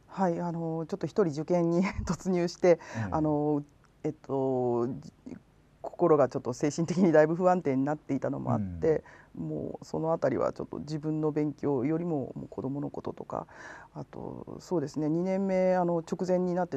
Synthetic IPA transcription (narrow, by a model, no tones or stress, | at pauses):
haiano̞t͡ɕo̞t̪ːoçi̥t̪o̞ɾʲiʑɨkẽ̞ɲ̟ːit̪o̞t͡sɨɲ̟ʲɨːɕi̥t̪e̞ano̞ | et̪ʰːo̞ | kʰo̞ko̞ɾo̞ɡat͡ɕo̞t̪ːo̞se̞ːɕĩnt̪e̞kʲiɲ̟id̪aibɯ̟ɸɯ̟βãnt̪ẽ̞ɲ̟ːinat̪ːe̞it̪ano̞̰mo̰a̰t̪ːe̞mo̰ːso̞no̞at̪aɾʲḭβa̰t͡ɕo̞t̪ːo̞̰d͡ʑibɯ̟̃nːo̞bẽ̞ŋkʲo̞ːjo̞ɾʲimo̞mo̰kʰo̞d̪o̞mo̞no̞ko̞t̪o̞t̪o̞ka̰at̪o̞̰so̞ːd̪e̞sɨne̞ɲ̟inẽ̞mːe̞ano̞t͡ɕo̞kɯ̟zẽ̞ɲ̟ːinat̪ːe